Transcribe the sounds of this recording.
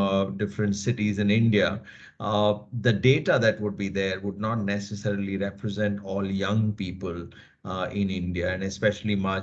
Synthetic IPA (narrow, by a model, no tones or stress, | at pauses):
ɖɪfɾə̃ɳʈsɪʈizɪ̃nɪ̃ɳɖia | d̪əɖeːʈad̪æʈʋʊɖ̚bid̪eɾʋʊɖ̚nɔːʈnɛsəsɛɾiliɾɛpɾəzɛ̃ɳʈɔːljʌ̃ŋpiːpəl | ɪ̃nɪ̃ɳɖiaɛ̃nɛspɛʃəl̩imaː